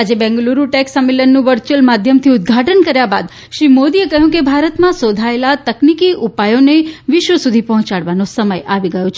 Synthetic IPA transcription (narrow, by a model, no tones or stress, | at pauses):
ad͡ʒebɛ̃ŋɡluɾuʈɛksəmːelənːũʋəɾt͡ʃəlmad̪ʱjəmt̪ʰiʊd̪ɡʱaʈənkəɾjaba̰d̪ | ʃɾimod̪iekəɦjũkebʱaɾət̪mãsod̪ʱaelat̪əknikiʔupajoneʋɪʃʋəsud̪ʱipɔɦɔ̃t͡ʃaɽʋanosəməjaʋiɡəjõt͡ʃʰ